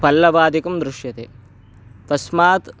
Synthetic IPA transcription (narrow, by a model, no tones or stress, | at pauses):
pɐlːɐbaːd̪ikɐmd̪ɾuʂjɐt̪ḛː | t̪ɐsmaːt̪